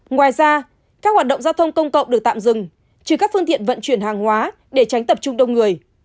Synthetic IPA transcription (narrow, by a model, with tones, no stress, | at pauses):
ŋwaː˨˩jzaː˧ | kaː˦˥k̚hwa˨˩ɗə˧˨ŋ͡mzaː˧wt̪ʰə˧wŋ͡mkə˧wŋ͡mkə̰˧˨wŋ͡mɗɨ˨˩ək̚t̪a̰ː˧˨mzɨ˨˩ŋ | t͡ɕɨ˧˩kaː˦˥k̚fɨ˧əŋt̪ḭ˧˨ənvə̰˧˨nt͡ɕwi˧˩ənhaː˨˩ŋhwaː˨˦ | ɗe˧˩t͡ɕa˨˦jŋ̟t̪ə˨˩p̚t͡ɕʊ˧ŋ͡mɗə˧wŋ͡mŋɨ˨˩əj